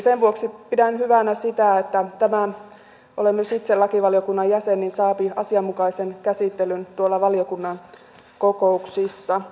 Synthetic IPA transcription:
senʋuoksipidænyhyʋænæsit̪æet̪ːæt̪æmæ | ʔolemːysit̪selːɑkiʋɑliokunːɑjjæsenːinsɑːpiɑsiɑmːukɑisenkæsit̪ːelynt̪uolːɑʋɑliokunːɑn | kokouksisːɑ

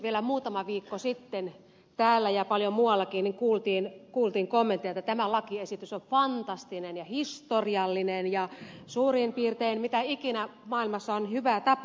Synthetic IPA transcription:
ʋielæmuːt̪ɑmɑʋiːkːosit̪ːen | t̪æːlːæjɑpɑljomuɑlːɑkiːnniŋkuːlt̪iːnkuːlt̪iːŋkomːent̪iet̪ːæt̪æmælɑkiesit̪ysonfɑnt̪ɑst̪inenjɑhist̪oriɑlːinenjɑsuːrimpiːrt̪einmit̪æikinæmɑːilmɑsːɑonhyʋæt̪ɑp

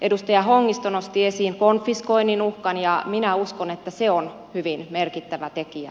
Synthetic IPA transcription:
ʔedust̪ɑjɑhoŋːist̪onost̪iesiːŋkonfiskoinːinuhkɑnjɑminæuskonet̪ːæseon | hyʋinmerkit̪ːæʋæt̪ekiæ̰

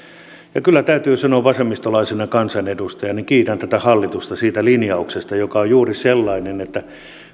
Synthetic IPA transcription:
jɑkylːæt̪æyt̪yːsɑnoːʋʋɑsemːist̪olɑisenɑkɑnsɑnedust̪ɑjɑniŋkiːt̪ænt̪æt̪æhɑlːit̪ust̪ɑsiːt̪ælinjɑuksest̪ɑjokɑojjuːriselːɑinenet̪ːæ

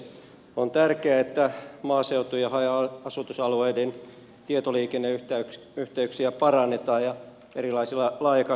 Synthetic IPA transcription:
ont̪ærkeæet̪ːæmɑːseut̪ujɑhɑjɑɑsut̪usɑlueiden | t̪iet̪oliːkenːeyt̪æyk | yht̪eyksiæpɑrɑnːet̪ɑːjjɑ | eɾilɑisilːɑlɑːjɑkɑ

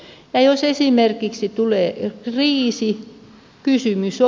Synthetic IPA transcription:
jɑjosesimerkiksit̪uleːkriːsi | kysymyso

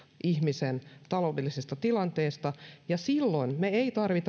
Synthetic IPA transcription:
ʔihmisent̪ɑloːdelːˑisist̪ɑt̪ilɑnt̪eːst̪ɑjɑsilːoinmeeit̪ɑrʋit̪ɑ

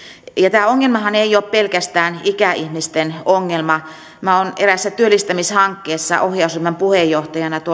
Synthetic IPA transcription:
jɑt̪æːoŋːelmɑhɑneijoːppelkæst̪æːnikæihmist̪enoŋːelmɑ | mæoneræsːæt̪yølːˑist̪æmishɑŋkːeːsːɑ̰ʔohjɑusumːempuhejːoht̪ɑjɑnɑt̪uo

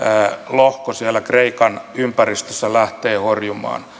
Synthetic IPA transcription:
lohkosiælːækreikɑnympærist̪øsːælæht̪eːhorjumˑɑ̰ːn

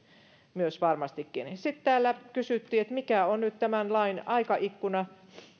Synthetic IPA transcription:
myøsʋɑrmɑst̪ikːinsit̪t̪æːlːækysyˑt̪ːiːet̪mikæonnyt̪t̪æmænlɑinɑikɑʔikːunɑ

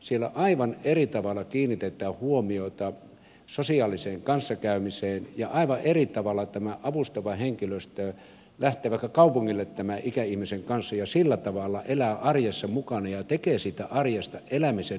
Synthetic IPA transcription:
sielːæ̰ʔɑiʋɑnerit̪ɑʋɑlːˑɑkiːnːit̪et̪ˑæːhhuomiot̪ɑ | sosiɑːliseːŋkɑnsːɑkæˑymiseːnjɑʔɑiʋɑʔerit̪ɑʋɑlːˑɑt̪æmæʔɑʋust̪oʋɑheŋkiløst̪øː | læht̪ˑeːʋɑˑikːɑkɑupuŋːilːet̪tæmæʔikæihmiseŋkɑnsːɑjɑsilːæt̪ɑʋɑlːˑɑʔelæːʔɑrjesːɑmukɑnɑjɑt̪ekeːsiːt̪æʔɑrjɑst̪ɑʔelæmisen

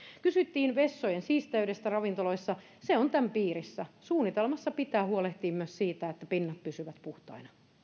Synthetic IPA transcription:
kysyt̪ːiːnʋesːojensiːst̪æydest̪ærɑʋint̪oloisːɑ | seont̪æmpiːrisːæsuːnit̪elmɑsːɑpit̪æːhuoleht̪iːmmyøssiːt̪æet̪ːæpinːɑt̪̚pysyʋæt̪puht̪ɑ̰inɑ

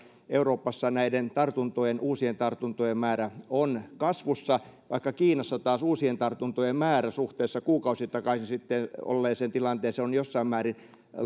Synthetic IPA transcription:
euroːpːɑsːɑnæident̪ɑrt̪unt̪ojenʔuːsient̪ɑrt̪unt̪ojemmæːɾæonkɑsʋusːɑʋɑikːɑkiːnɑsːɑt̪ɑːsuːsient̪ɑrt̪unt̪ojemmæːræsuht̪eːsːɑkuːkɑusit̪ɑkɑsisit̪ːeno̰lːeːsent̪ilɑnt̪eːseonjosːɑimmæːrin

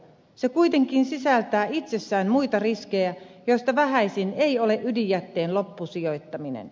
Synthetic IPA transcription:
se̞kujt̪e̞ŋk̟insisælt̪æːit̪se̞sːæːnmuit̪ɑriske̞jæjo̞jst̪ɑʋæɦæjsine̞jo̞le̞ʔydijæt̪ːe̞ːnlo̞pːusijo̞jt̪ːɑminḛn

